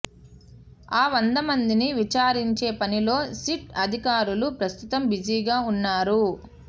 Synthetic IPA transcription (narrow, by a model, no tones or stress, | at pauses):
aːʋɐnd̪ɐmɐnd̪iniʋit͡ʃaːɾiɲt͡ʃe̞ːpɐnilo̞ːsiʈɐd̪ʱikaːɾulupɾɐst̪ut̪ɐmbid͡ʒiːɡaːunːaːɾu